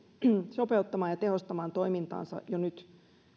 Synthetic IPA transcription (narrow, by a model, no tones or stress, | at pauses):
sopeut̪ːɑmɑːjɑt̪ehost̪ɑmɑːnt̪oimint̪ɑ̰ːnsɑ̰jonyt̪